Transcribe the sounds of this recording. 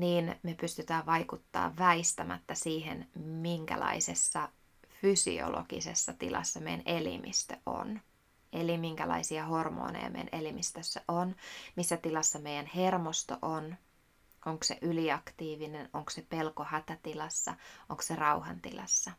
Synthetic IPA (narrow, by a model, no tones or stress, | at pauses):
niːnmepyst̪yt̪æːʋʋɑjkut̪ːɑ̰ːʋʋæist̪æmæ̰t̪ːæsiːɦḛnmiŋkæ̰lɑ̰isesːɑ | fysḭo̰lo̰ɡ̥ḭsḛsːɑt̪ilɑ̰sːɑmejæ̰nʔelḭmḭst̪ø̰ʔo̰n | elimiŋkælɑ̰isiɑho̞rmo̰ːnḛjɑ̰mḛjænʔelimist̪øsːæʔonmisːæt̪ilɑsːɑmejænhermost̪o̰ʔon | ʔoŋksḛʔyliɑkt̪iːʋinenoŋksepelkohæt̪æt̪ilɑsːɑʔoŋkserɑuhɑnt̪ḭlɑ̰sːɑ